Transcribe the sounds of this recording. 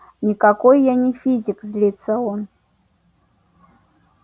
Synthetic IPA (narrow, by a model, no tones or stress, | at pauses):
nʲikakojːanʲɪfʲizʲɪkzʲlʲit̪səon